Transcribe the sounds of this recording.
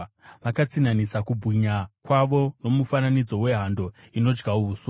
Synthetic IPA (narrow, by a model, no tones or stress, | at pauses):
ʋakat͡sinanisakubʱuɲakwaʋo̞no̞mufananid͡zo̞we̞ɦando̞ | ino̞d͡ʒɡauʋuso